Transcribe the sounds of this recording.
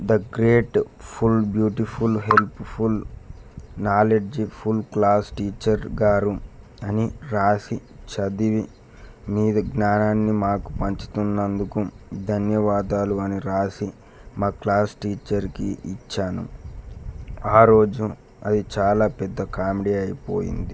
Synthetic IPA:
d̪ɐɡɾeːʈpʰulbjuːʈipʰulɦe̞lppʰul | naːleɖd͡ʒipʰulklaːsʈiːt͡ʃɐɾɡaːɾu | ɐniɾaːsit͡ʃɐd̪iʋi | miːd̪ɐɡnaːnaːnːimaːku̥pɐɲt͡ʃu̥t̪unːɐnd̪ukud̪ʱɐnjɐʋaːd̪aːluɐniɾaːsi | maːklaːsʈiːt͡ʃɐɾkḭit͡ʃːaːnṵ | aːɾo̞ːd͡ʒu | ɐ̰d̪it͡ʃaːlaːpɛd̪ːɐkaːmiɖiɐjipo̰ːjḭnd̪i

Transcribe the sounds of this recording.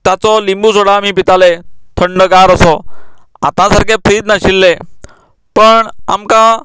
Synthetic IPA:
t̪at͡sɔlimbusoɽamipɪt̪alet̪ʰəɳɖəɡaːɾəsɔ | a̰t̪ãsəɾkʰepʰɾiːd̪naɕilːe | pəɳa̰mka

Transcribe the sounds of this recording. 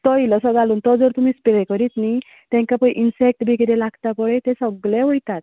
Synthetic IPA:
t̪ɔjlɔsɔɡaluːnt̪ɔd͡zəɾt̪umispeɾekɔɾit̪ni | t̪ɛ̃ŋkapə̃jʔinsek̚ʈbʱikeɾelaɡt̪apɔɭet̪esɔɡlɛɦojt̪at̪

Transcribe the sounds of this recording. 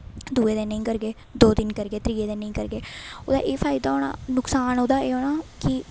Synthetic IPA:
d̪uːeːd̪eːnə̃ĩːkəɾɡeː | d̪oːd̪ɪnkəɾɡeːt̪ɾiːeːd̪eːnəĩːkəɾɡeːo̰ːd̪a̰ːʔeːpʰaːɪd̪aːɦoːɳa̰ːnʊksaːnoːd̪aːeːɦoːɽaːkɪ

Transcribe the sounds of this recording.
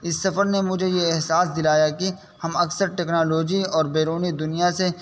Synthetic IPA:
ɪsːɐfəɾnemʊd͡ʒʱejeɛɦsaːsd̪ɪlaːjaki | hɐmɐksəɾʈɛːknaːloːd͡ʒiɔːɾbeːɾoːnid̪ʊnijase

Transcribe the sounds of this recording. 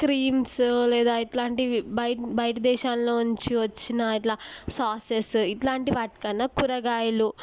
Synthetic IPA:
kɾiːmslɛːd̪aːiʈlaːɳʈibɐjbɐjɐʈɐd̪ɛːʃaːnloːuɲt͡ʃiʋɐt͡ʃːinɐiʈlaːsaːsesiʈlaːɳʈiʋaːʈi̥kɐnːɐkuɾɐɡaːjɐlu

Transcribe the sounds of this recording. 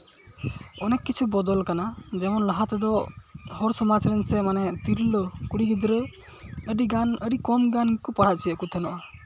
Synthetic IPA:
ɔnɛkkːit͡ʃʰubɔd̪ɔlkanad͡ʒɛmɔnlaɦat̪ɛd̪ɔhɔɾsɔmat͡ʃɾɛnsɛmanɛt̪iɾlɔkuɽiɡid̪ɾə | əɖiɡanəɖikɔmɡankɔpaɽ̤at͡ʃʰijəʔkut̪ʰɛnɔʔa

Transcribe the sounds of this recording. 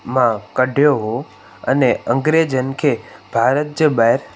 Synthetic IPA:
mãkəɖʱjoɦo | ə̰neə̃ŋɡɾed͡ʒənkʰeb̥ʱaɾət̪̚d͡ʒəbaɾ

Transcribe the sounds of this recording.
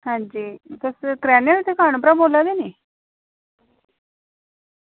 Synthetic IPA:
hãːɲd͡ʒiːt̪ʊskɾɛːneɾut̪ʰekʰaːɳ̃ːpɾaboːlad̪eːniː

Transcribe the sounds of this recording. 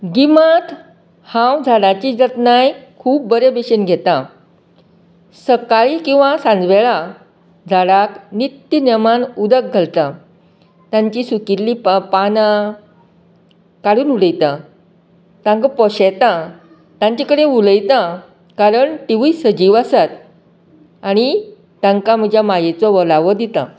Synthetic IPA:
ɡimat̪ | hãwd͡zʱaɽat͡ɕid͡zət̪najkʰuːp̚bəɾebeɕenɡʱet̪ã | səkaɭiːkĩw̃ʋasãnd͡zʋeɭa | d͡zʱaɽaknit̪jənemanud̪ək̚ɡʱəlt̪a | t̪jãɲt͡ɕiːsukit̪lippan | kaɽuːnuləjt̪ã | t̪ãŋkapɔɕet̪a | t̪ãɲt͡ɕakəɽẽuləjt̪ã | kaɾəɳʈiʋiːsəd͡ʑiʋasat̪ | aɽ̃i | t̪ãŋkam̤əd͡ʑʱjamajet͡sɔʋəlaʋɔd̪it̪a̰

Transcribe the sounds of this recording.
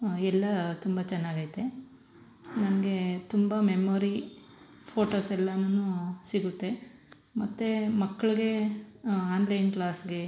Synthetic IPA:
ɛlːɐt̪umbɐt͡ʃɛnːaːɡat̪ːe | nɐnɐɡe̞t̪umbɐmemoːɾi | pʰoːʈoːsɛlːɐnɐnusiɡut̪ːe̞ | mɐt̪ːemɐkːɐɭiɡe̞ | aːnlɐjnkɭaːsɡe̞

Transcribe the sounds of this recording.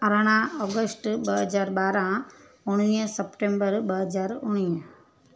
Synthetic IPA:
əɾaɽ̃ãɔːɡəsʈbəɦəd͡ʒaːɾbaːɾã | ʊɽ̃niəsəpʈẽmbəɾbəɦəd͡ʒaːɾuɽ̃iə

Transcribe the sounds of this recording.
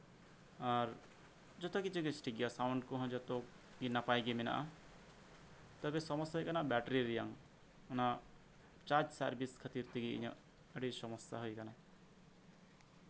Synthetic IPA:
aɾ | d͡ʒɔt̪okit͡ʃʰukisʈʰiɡijasawɳɖkuɦɔ̃d͡ʒɔt̪o | kinːapajɡimina̰ʔa̰ | t̪ɔbesɔmɔst̪ːaɦojkanabɛʈɾiɾijaŋ | na | t͡ʃaɾd͡ʒsaɾbiskʰat̪iɾt̪ʰiɡiḭɲɔ̰̃ | eɽisɔmɔsa̰ɦojkana

